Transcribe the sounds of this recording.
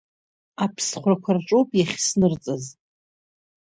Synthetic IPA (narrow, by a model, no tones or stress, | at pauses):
apʰsχʷrakʷʰarʈ͡ʂʼowpʼjaχʲsnɨrt͡sʼaz